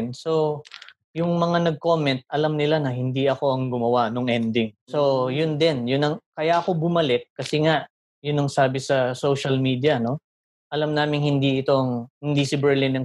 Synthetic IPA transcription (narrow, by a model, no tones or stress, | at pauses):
nso̞ | jʊŋmɐŋanɐɡ̚ko̞mɛnt̪̚ʔɐlamnɪlanɐhɪnd̪iɐko̞ɐŋɡʊmɐwanoŋʔɛnd̪ɪŋso̞jʊnd̪ɛnjʊnɐŋkɐjaɐko̞bʊmɐlɛk̚kːɐsɛŋaʔ | jʊnːɐŋsaːbɪsɐsowʃɐlmiːd̪jɐno̞ | ʔɐlamnaːmɪŋhɪnd̪iɪt̪o̞ʔɐŋhɪnd̪isɪbɛɹlɪnɐŋ